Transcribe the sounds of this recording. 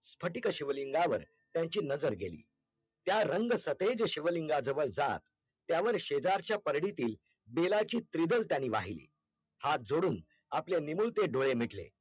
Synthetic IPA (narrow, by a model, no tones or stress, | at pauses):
spʰəʈikəɕiʋəliŋɡaʋə̰ɾ | t̪jaɲt͡ɕiːnəd͡zəɾɡelḭː | t̪jaɾəŋɡsət̪ed͡zɕiʋəliŋɡad͡zəʋəɭd͡zat̪ː | jaʋəɾɕed͡zaɾt͡ɕjapəɾɽit̪iːl | belat͡ɕiːt̪ɾid̪əlt̪janiːʋa̰ɦilḭː | hat̪̚d͡zoɽuːn | apljenimuɭt̪eɖoɭemiʈlḛ